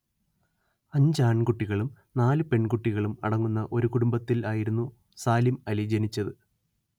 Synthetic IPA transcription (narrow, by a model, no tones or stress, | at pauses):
ɐɲd͡ʑaːɳkuʈːiɣɐɭum | naːlɨpe̞ɳkuʈːiɣɐɭumɐ̰ɽɐŋːunːɐʔo̞ɾukuɽumbɐt̪ːilaːjiɾunːu | saːlimɐlid͡ʑenit͡ɕːɐðɨ